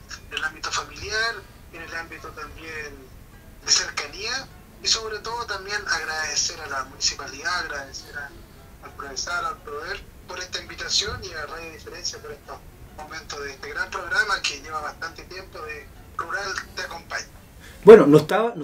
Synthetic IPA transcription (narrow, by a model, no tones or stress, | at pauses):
enelambit̪ofamiljaɾ | enelambit̪ot̪ambjen | d̪eseɾkania | iso̞βɾet̪oðot̪ambje̞naɣɾaðeseɾalamunisipaliðaːɣɾaðeseɾaː | lpɾoβesaɾalpɾoβeɾ | poɾeht̪aimbit̪asjoniaraðjoðifeɾensjapoɾeht̪o | moment̪oðeet̪eɣɾampɾo̞ɣɾamakeʎeβaβaht̪ant̪et̪je̞mpoðe | ruɾalt̪eakompaɲa | bwenonot̪aβano